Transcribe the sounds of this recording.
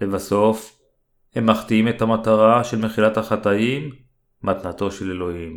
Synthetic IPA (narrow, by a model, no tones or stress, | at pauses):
levaso̞f | he̞mːaχt̪iimet̪hamat̪aʁaʃe̞lmeχilat̪haχat̪aimː | at̪nat̪o̞ʃelelo̞him